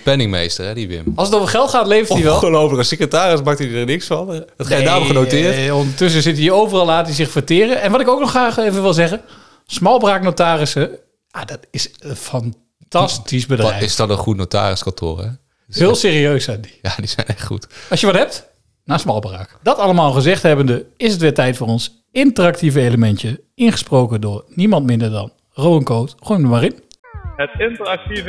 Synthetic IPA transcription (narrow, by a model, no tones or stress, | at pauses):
pɛnɪŋmḛjstərɦɛdiʋɪ̰mɑlˠsətovəχɛlˠtχaːtlejfətdiʋɛlˠlowəəsekətaːrɪsmak̚idəɹnɪksfɑndɔtadaːmχənotɪːɹtɔndəɹtʏs̬əzɪtiowvərɑlˠaːtizɪχfərtɪːrəɛnʋɑtɪkowknɔχraːχejvəʋɪlˠzɛχə | smɑlˠbraːknotaːrɪsə | jadɔtɪsəfɑn | tɑstisbədrɛjɪsdɔtənχutnowta̰ːrɪskɑntʰʊ̰ːrɛ | ɦɪːlˠsɪːriøɥsɛndijaːdiz̥ɛ̰jnɛχtχṵtɑlˠsjəʋɑtɦɛp̚t | naːsmɑlˠbra̰ːkd̥ɑtɑlˠəmaːlˠχəzɛχtɦɛbəndəɪsətʋɪtɛjtfʊːrɔns | ɪntərɑk̚tivəejləmɛntjə | ɪnχə̥sprowkədʊːɹnimɑntmɪndəɹdɑ̰n | rowənkoːtχujmdəmarin | ɦətɪntərɑk̚tiv